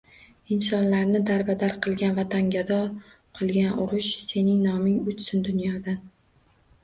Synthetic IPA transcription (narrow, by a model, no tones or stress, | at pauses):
ɪnsɒnlaɾnɪd̪aɾbad̪aɾqʰɨlˠɡʲanvat̪ʰaŋɡʲad̪ɒ | qʰɨlˠɡʲanʊɾʊʃse̞nɪŋnɒmɪŋʊt͡ʃsɪnd̪ʊnjɒd̪an